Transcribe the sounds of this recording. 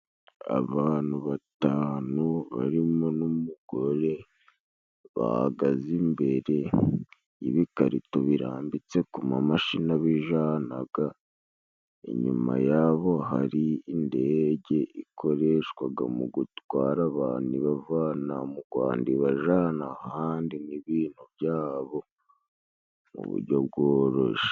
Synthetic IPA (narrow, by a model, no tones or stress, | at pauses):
a̰βaːn̥huβataːnuβa̰ɾimonumuɡ̥o̞ɾe̞ | βa̰ha̰ɡazimbe̞ɾe̞ | iβikaɾito̞βiɾa̰ːmbit͡se̞kumamaʃinaβiʒanaɡ̥a | ḛɲṵma̰jaβo̞ɦa̰ɾiːnde̞ɟe̞ʔikʰo̞ɾe̞ʃkwaɡamuɡutwaːɾaβaniβavanamuɡwa̰ːndiβaʒanahaːndiniβiːn̥huβjaːβo̞ | mṵβṵɾɟo̞b̚ɡoːɾoʃe̥